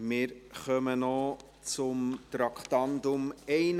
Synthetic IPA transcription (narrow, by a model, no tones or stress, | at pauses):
mɪːɾχœmənɔ | t͡sʊmt̪ɾɑkχt̪ɑndʊmɛɪn